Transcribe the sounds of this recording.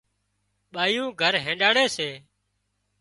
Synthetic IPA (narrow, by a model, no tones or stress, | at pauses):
ɓaːjũːɡʱəɾɦẽːɗaːɽeːseː